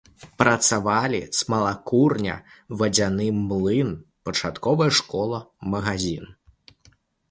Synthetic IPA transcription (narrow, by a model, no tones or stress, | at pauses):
pɾɐt̪savalʲismɐlˠakurnʲɐ̰vɐd͡zʲanɨmːlˠɨnpɐt͡ʂat̪kɔvɐjɐʂkɔlˠɐmɐɣazʲin